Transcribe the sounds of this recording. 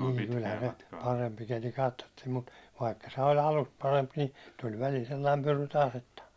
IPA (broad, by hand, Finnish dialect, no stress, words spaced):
niŋ kylhæ se pɑrempi keli kɑtːotːiːm mut ʋɑikːɑ se olʲ ɑlust pɑremp ni tul ʋælil selːɑim pyry tɑːs etːæ